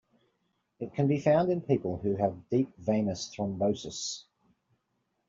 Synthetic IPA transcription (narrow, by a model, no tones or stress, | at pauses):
ɪt̚kʰə̃nbifãʊ̃ndɪ̃npʰiˑpəlˠhʉəvdiˑp̚vẽɪ̃nəsθɹə̃mbəʊsəs